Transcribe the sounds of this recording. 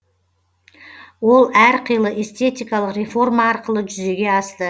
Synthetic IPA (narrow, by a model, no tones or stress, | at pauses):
wo̞lˠæɾqʰəjlˠəʔest̪e̞t̪ijkɑlˠəqrʲefo̞rmɑːɾqəlˠəʒʏze̞ɡʲe̞ɑst̪ə